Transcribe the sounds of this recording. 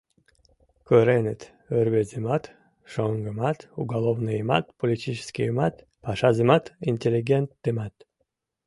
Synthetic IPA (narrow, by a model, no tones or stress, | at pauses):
køɾenet̪ | øɾbezʲɨmat̪ | ʃoŋɡɨmat̪uɡalˠovnɨjma̰t̪polʲit̪ʲit͡ʃɪ̥skʲimat̪ | paʃazʲɨmat̪inʲt̪ʲelʲiɡʲent̪ːɨmɑt̪